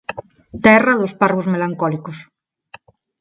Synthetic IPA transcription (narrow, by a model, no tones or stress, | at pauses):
t̪ɛrɐðosparβozmelaŋkɔlikos